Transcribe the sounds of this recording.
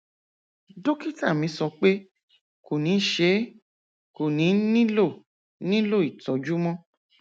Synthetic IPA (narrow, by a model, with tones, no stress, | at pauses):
do˦ki˦ta˦˨mĩ˨˧˦sɔ˧k͡pe˦ | ko˨nĩ˨˦ʃe˨˦ | ko˨nĩ˨˦nĩ˦lo˦˨ | nĩ˦lo˦˨i˨tɔ˨˦d͡ʒu˦mɔ̃˦